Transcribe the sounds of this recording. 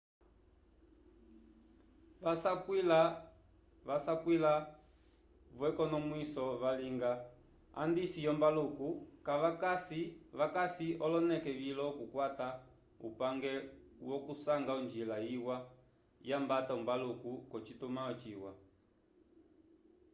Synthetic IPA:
ʋasakila | ʋasakwila | βwɛkɔnɔmwisɔʋaliŋɡa | a̰ndisijɔmbalukukaʋaksiʋakasiɔlɔnɛkɛvilɔkukwata | ṵpaŋɡɛwɔkusaŋɡaund͡ʒilaiwa | jambataumbalukukɔt͡ʃitumaɔt͡ʃiwa̰

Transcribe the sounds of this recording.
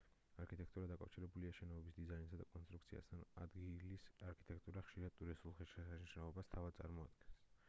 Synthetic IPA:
aɾkʰit̪ʼɛk̚ʰt̪ʼuɾad̪akʼafʃiɾɛbuliaʃɛnɔɔbisd̪izainsad̪akʼɔnst̪ʼɾuk̚ʰt̪sʰia̰st̪ʰana̰d̪ɡilisaɾkʰi̥t̪ʼɛk̚ʰt̪ʼuɾaχʃiɾad̪t̪ʼuɾisulˠχɛʃiaʃiʃnɔɔbast̪ʰavad̪̚sʼa̰ɾmɔa̰d̪̚ɡɛns

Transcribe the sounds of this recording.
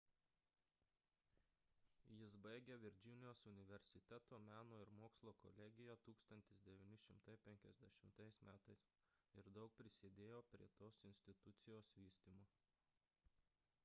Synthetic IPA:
jɪsbɐɪɡʲeːʋʲɪɾʲd͡ʒʲɪnʲɪjoːsʊnʲɪʋʲɛɾʲsʲɪt̪ʲɛt̪oːmʲæːnoːɪɾmoːkslˠoːkɔ̰lʲɛɡʲɪjoːt̪uːkst̪ɐnʲt̪ʲɪsd̪ʲɛʋʲiːnʲɪʃʲɪmt̪ɐɪpʲɛŋʲkʲɛzʲd̪ʲɛʃʲɪmt̪ɐɪsmʲæːt̪ɐɪs | ɪɾd̪ɒʊk̚pʲɾʲɪsʲɪd̪ʲeːjoːpʲɾʲiɛt̪oːsɪnʲsʲt̪ʲɪt̪ʊt̪sʲɪjoːsʋʲiːsʲt̪ʲiːmoː

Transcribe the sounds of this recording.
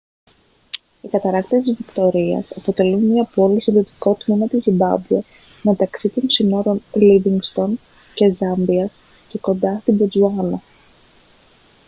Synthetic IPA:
ikɐt̪ɐɾɐkt̪iesizvikt̪o̞ɾiɐ̰sɐpo̞t̪e̞lunmiɐpolost̪oðio̞t̪i̥ko̞t̪mimɐt̪izimbɐ̰bue | me̞t̪ɐksit̪o̞nsino̞ɾo̞nliviŋɡst̪o̞n | ce̞zɐmviɐs | ce̞ko̞nd̪ɐst̪ibed͡zuɐlɐ

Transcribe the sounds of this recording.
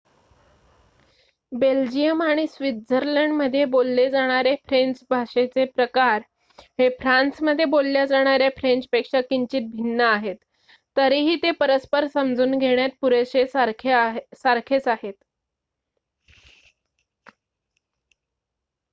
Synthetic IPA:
beld͡ʑijəmaɽ̃isʋid̪̚d͡zʱəɾləɳɖməd̪ʱːjebolːed͡zaɽ̃aɾefɾent͡sbʱaʂet͡sepɾəkaɾ | hefɾansməd̪ʱːjebolːjad͡zaɽ̃aɾjafɾent͡spekʂakiɲt͡ɕiːt̪̚bʱinːəaɦet̪ː | əɾiɦiːt̪epəɾəspəɾsəmd͡zuːnɡʱeɽ̃jat̪̚puɾeɕe | saɾkʰet͡saɦet̪

